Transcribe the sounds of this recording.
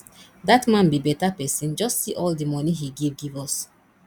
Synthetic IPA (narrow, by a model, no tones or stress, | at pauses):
datmãnbibɛtapɛsĩnd͡ʒɔstːsiʔɔldimɔniɦiɡevɡivɔs